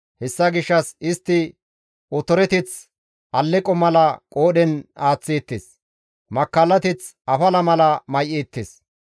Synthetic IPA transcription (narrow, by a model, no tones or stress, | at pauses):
hɛsːɐɡɪʃːɐsɪst̪ːɪ | ɔt̪ɔɾɛt̪ɪt͡s | ʔɐlːɛkʼɔmɐlɐkʼoːɗɛnaːt͡sːiːt̪ːes | mɐkːɐlːɐt̪ɪt͡s | ɐfɐlɐmɐlɐmɐjʔiːt̪ːɪs